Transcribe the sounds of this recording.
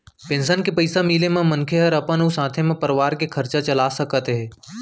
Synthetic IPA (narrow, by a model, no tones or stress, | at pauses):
pẽːnsənkepəɪsamiːlemãmənkʰeɦɐɾəpənusãːt̪ʰemẽpəɾʋaːɾkekʰɐɾt͡ʃat͡ʃɐlasəkət̪ɦɛː